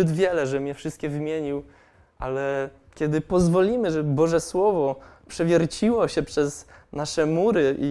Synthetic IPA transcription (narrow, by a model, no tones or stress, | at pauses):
ɘd̪vʲjɛlɛʐɛmɲɛfʂɘst̪̚kʲɛvɘmʲjeɲiw | ʔalɛ | kʲɛd̪ɘpɔzvɔlʲimɘʐɛbɘbɔʐɛswɔvɔpʂɛvʲjɛɾt͡ɕiwɔɕɛpʂɛznaʂɛmuɾɘi